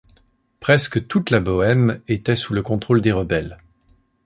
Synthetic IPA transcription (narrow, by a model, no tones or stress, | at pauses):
pχɛskət̪ut̪labɔɛmet̪ɛsuləkɔ̃t̪χold̪eʁəbɛl